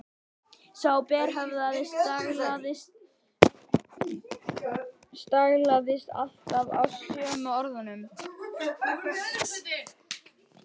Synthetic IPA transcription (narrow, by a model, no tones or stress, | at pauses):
sawpɛːɾ̥ɦɛvðaðɪsaɣlaðɪst̪ | st̪aɣlaðɪst̪a̰l̥t̪ava̰wsœːmʏɔɾðanʏm